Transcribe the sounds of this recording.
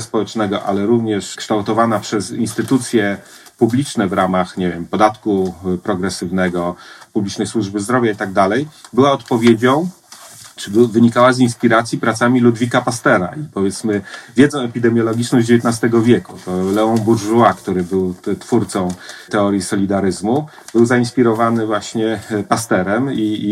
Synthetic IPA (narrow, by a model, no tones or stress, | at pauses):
spɔwɛt͡ʂnɛɡɔʔa̰lɛɾuvɲɛʂkʂt̪awt̪ɔvanapʂɛzinst̪ɘt̪ut̪sʲjɛ | publʲit͡ʂnɛvɾamaxɲevʲjɛmpɔd̪at̪kupɾɔɡɾɛsɘvnɛɡɔpublʲit͡ʂnɛjswuʐbɘzd̪ɾɔvʲjait̪aɡ̚d̪alɛjbɘwaɔt̪pɔvʲjed͡ʑɔ̃w̃ | t͡ʂɘbvɘɲikawazinspʲiɾat̪sʲjipɾat̪samʲilud̪vʲikapast̪ɛɾa̰ipɔvʲjɛt̪smɘvʲjɛd̪zɔ̃w̃ɛpʲid̪ɛmʲjɔlɔɡʲit͡ʂnɔʑd͡ʑevʲjet̪nast̪ɛɡɔvʲjekut̪ɔlɛɔ̃nbuɾʐuakt̪uɾɘbɘwt̪fuɾt̪sɔ̃w̃t̪ɛɔɾʲjisɔlʲid̪aɾɘzmu | bɘwzainspʲiɾɔvanɘvwaɕɲɛpast̪ɛɾɛmi